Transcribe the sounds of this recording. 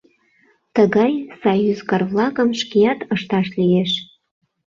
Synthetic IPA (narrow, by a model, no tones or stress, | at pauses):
t̪əɣɑjsɑjuzkɑrvlˠɑkə̆mʃkijɑt̪əʃt̪ɑʃlijeʃ